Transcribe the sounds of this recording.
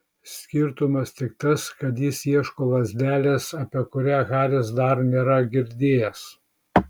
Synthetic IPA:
sʲkʲɪɾt̪ʊmɐst̪ʲɪk̚t̪ɐskɐt̪jɪsjiɛʃkoːʋɐzʲd̪ʲæːlʲɛsɐpʲiɛkʊɾʲæːɣɑːlʲesd̪ɐɾnʲeːɾɐɡʲɪɾʲd̪ʲeːjɛs

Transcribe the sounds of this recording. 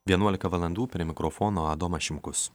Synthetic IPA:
ʋʲiɛnuɔlʲɪkɐʋɐlˠɐnd̪uːpʲɾʲiɛmʲɪkɾɔfɔːnoːɐd̪ɔmɐʃʲɪmkʊs

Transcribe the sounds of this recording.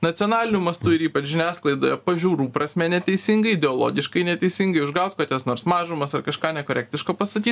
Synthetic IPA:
nɐt̪sʲɪɔːnɑːlʲɪnʲʊmɐst̪ʊɪɾiːpɐt͡ʃʒʲɪnʲæːsklˠɐɪd̪oːjɛpɐʒʲuːɾuːpɾɐsʲmʲɛnʲɛt̪ʲɛɪsʲɪŋɡɐɪɪd̪ʲɛolˠo̰ːɡʲɪʃkɐɪnʲɛt̪ʲɛɪsʲɪŋɡɐɪʊʒɡɐʊt̪skɐt̪jɛsnoːɾsmɑːʒʊmɐsɐrkɐʃkɑːnʲɛkoːɾʲɛk̚t̪ʲɪʃkoːpɐst̪ɐkʲiːt̪

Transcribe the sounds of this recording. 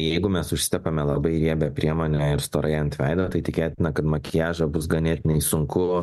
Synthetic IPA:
jɛɪɡʊmʲɛsʊʃʲsʲɪt̪ʲɛpɐmʲɛlˠɐbɐɪɾʲiɛbʲɛpʲɾʲiɛmoːnʲɛɪɾst̪oːɾɐɪɐnt̪ʲʋʲɛɪd̪ɐʋɐt̪ɐɪt̪ʲɪkʲeːt̪ʲɪnɐkɐt̪mɐkʲɪjæːʒɐbʊsɡɐnʲeːt̪ʲɪnʲɛɪsʊŋkʊ

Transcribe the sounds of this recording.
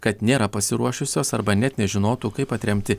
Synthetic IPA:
kɐt̪nʲeːɾɐpɐsʲɪɾuɔʃʲʊsʲoːsɐɾbɐnʲɛt̪ʲnʲɛʒʲɪnoːt̪uːkɐɪpɐt̪ʲɾʲɛmʲt̪ʲɪ

